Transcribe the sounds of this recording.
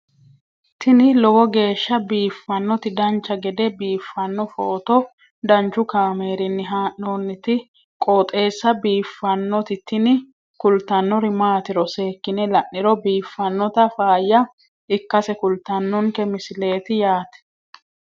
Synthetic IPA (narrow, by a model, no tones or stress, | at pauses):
t̪ɪnɪlɔwɔɡe̞ːʃːɐbiːfːɐnːɔt̪ɪd̪ɐnt͡ʃːɐɡɛd̪ɛbiːfːɐnːɔfoːt̪ɔ | d̪ɐnt͡ʃːʊkaːme̞ːɾɪnːɪɦaːʔːoːnːɪt̪ɪ | kʼoːt̪ʼe̞ːsːɐbiːfːɐnːɔt̪ɪt̪ɪnɪ | kʊlt̪ɐnːɔɾɪmaːt̪ɪɾɔseːkːɪnɛlɐʔːɪɾɔbiːfːɐnːɔt̪ɐfaːjːɐ | ɪkːɐsɛkʊlt̪ːɐnːɔŋkɛmɪsɪle̞ːt̪ɪjaːt̪ɛ̥